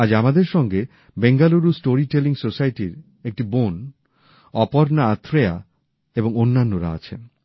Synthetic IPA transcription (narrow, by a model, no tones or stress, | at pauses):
ad͡ʑamad̪eɾʃɔŋɡe | beŋɡaluɾusʈoɾiʈeliŋsosajʈiɾ | ek̚ʈibon | ɔpoɾnaat̪ʰːɾea̰ | eboŋonːanːoɾa̰a̰t͡ɕʰḛn